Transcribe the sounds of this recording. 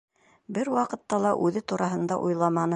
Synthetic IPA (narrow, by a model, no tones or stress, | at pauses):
bɘɾwɑqɤ̆t̪ːɑlˠɑʔʉðɘt̪uɾʔɑɦɤ̆nd̪ɑ̰ʔujlˠɑmɑnɤ